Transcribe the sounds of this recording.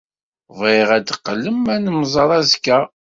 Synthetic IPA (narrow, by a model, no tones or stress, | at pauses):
veʁæd̪əqːəlːəmænəmzˤɑɾˤæzkːæ